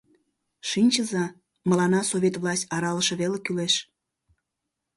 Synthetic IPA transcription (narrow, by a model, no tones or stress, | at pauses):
ʃinʲt͡ɕəzɑ | məlɑnɑsoβʲet̪vlˠɑsʲtʲɑɾɑləʃeβelekyleʃ